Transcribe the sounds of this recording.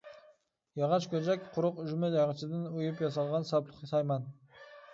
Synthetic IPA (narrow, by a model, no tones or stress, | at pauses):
jɑʁɑʃkʲʰɵd͡ʒækʲqʰʊɾʊqʏʒmɪzɑʁət͡ʃʰɪd̪ɪnʊjɪpjɑs̬ɑlˠʁɑnsɑblˠʊqɑsɑjmɑn